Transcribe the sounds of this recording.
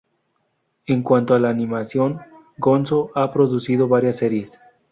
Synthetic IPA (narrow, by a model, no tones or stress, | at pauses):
eŋkwant̪oalaːnĩmasjo̞ŋ | ɡo̞nso̞ʔapɾo̞ðusiðo̞βaɾjasːeɾjes